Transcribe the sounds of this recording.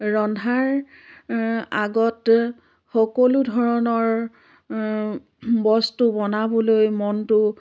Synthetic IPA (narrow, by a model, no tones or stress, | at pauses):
ɹɔndʱaɹ | aɡɔt | xɔkoludʱɔɹɔnɔɹ | bɔstʊbɔnabɔlojmɔntʊ